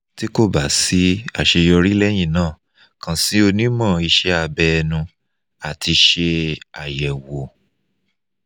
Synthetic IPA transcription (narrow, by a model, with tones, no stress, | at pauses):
ti˦ko˦˨ba˨˦si˨˦a˦˨ʃe˧jɔ˧ɾi˦lɛ˦j̃ĩ˦˨nãː˦˨ | kã˨si˨˦o˧nĩ˦mɔ̃˦˨i˧˦ʃɛ˦a˧bɛ˧nũ˧ | a˨ti˧ʃe˧a˨jɛ˨wo˨